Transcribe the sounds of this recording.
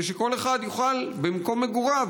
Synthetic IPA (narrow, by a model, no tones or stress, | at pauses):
eʃeko̞le̞χad̪juχalbemko̞mːeɡuʁav